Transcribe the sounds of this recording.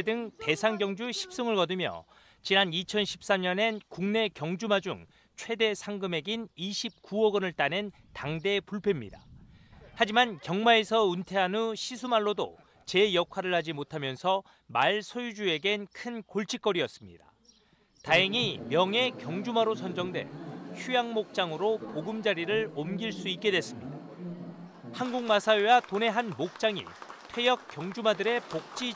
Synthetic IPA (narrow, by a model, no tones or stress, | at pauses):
dɯŋte̞sʰaŋɡjʌŋd͡ʑuɕʰi̥p̚s͈ɯŋɯɭkʌdɯmjʌ̰ | t͡ɕinanit͡ɕʰʌnɕʰi̥p̚s͈amɲʌne̞nkuŋne̞kjʌŋd͡ʑumad͡ʑṵŋ | t͡ɕʰwe̞de̞sʰaŋɡɯme̞ɡiniɕʰip̚k͈uʌɡɯnɯɭt͈anen | taŋde̞puɭpʰe̞mɲḭda̰ | had͡ʑimankjʌŋmae̞sʰʌuntʰe̞anuɕʰisʰumaɭːodo̰ | t͡ɕe̞jʌkʰwaɾɯɭhad͡ʑimotʰamjʌnsʰʌ | maɭsʰojud͡ʑue̞ɡe̞nkʰɯnkoɭt͡ɕʰik͈ʌɾiʌs͈ɯmɲḭda̰ | taɦeŋimjʌŋe̞kjʌŋd͡ʑumaɾosʰʌnd͡ʑʌŋdwe̞̰çujaŋmok̚t͡ɕ͈aŋɯɾopoɡɯmd͡ʑaɾiɾɯɭomɡiɭs͈uit̚k͈e̞dwe̞s͈ɯmɲida | hanɡuŋmasʰaewatone̞ɦanmok̚t͡ɕ͈aŋḭtʰwe̞jʌk̚k͈jʌŋd͡ʑumadɯɾe̞pok̚t͡ɕ͈i